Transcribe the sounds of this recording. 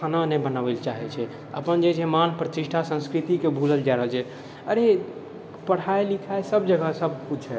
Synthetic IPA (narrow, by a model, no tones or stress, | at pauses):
ananɛbənawɛlt͡ʃaɦɛt͡ʃʰɛ | ə̰pənd͡ʒed͡ʒemanpɾət̪iʃʈʰasə̃nskɾit̪ikebʱuləld͡ʒaɾəɦəlt͡ʃʰɛ | əɾe | pəɽ̤aelikʰajsəb̚d͡ʒəɡəsəbkut͡ʃʰɦɛ